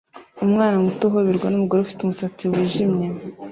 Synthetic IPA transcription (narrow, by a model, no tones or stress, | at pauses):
umŋaːnamutoɦoβiɾɡwanumuɡoɾeufi̥tumutot͡siwiːʒimɲe